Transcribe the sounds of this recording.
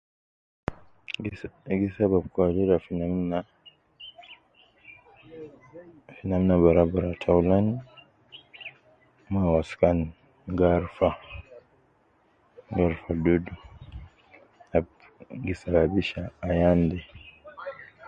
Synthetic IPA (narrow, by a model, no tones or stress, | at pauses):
ɡisabab̚kuaɾiɾafinana | finamnabaɾabaɾatʰawulani | mawaskani | ɡaɾfa | ɡaɾfadudu | a | ɡisababiʃaːjandɛ